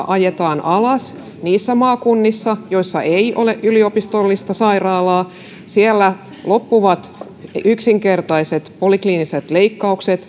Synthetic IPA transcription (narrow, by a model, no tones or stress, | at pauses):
ʔɑjet̪ɑːnʔɑlɑs | niːsːæmɑːkunːisːɑjoisːɑʔeiʔo̰leʔʔyliopist̪olːist̪ɑsɑirɑːlɑː | sielːæ | lopːuʋɑt̪ | yksiŋkert̪ɑiset̪polikliːniset̪leikːɑukset̪